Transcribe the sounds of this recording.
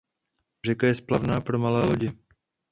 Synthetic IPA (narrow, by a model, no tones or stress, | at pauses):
r̝ɛkajɛsplavnaːpɾo̞malɛːlo̞ɟɪ